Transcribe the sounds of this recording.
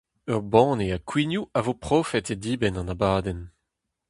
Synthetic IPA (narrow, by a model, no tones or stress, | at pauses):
œʁbɑ̃ːneakwinjuavopχoːfɛted̪iːbɛnɑ̃nabaːdɛn